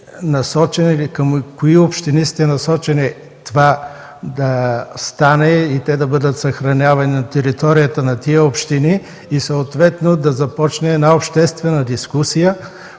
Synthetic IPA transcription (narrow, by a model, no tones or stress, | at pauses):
nɐsɔt͡ʃɛnilikəmkoiopʃt̪inist̪ɛnɐsɔt͡ʃɛni | t̪ova | d̪ɐst̪anɛit̪ɛd̪ɐbɤd̪ət̪sɐxɾɐnʲavɐninɐt̪ɛɾit̪ɔɾijət̪ənɐt̪iəopʃt̪iniː | sɐot̪vɛt̪nod̪ɐzɐpɔt͡ʃnɛɛd̪naopʃt̪ɛst̪vɛnɐd̪iskusijə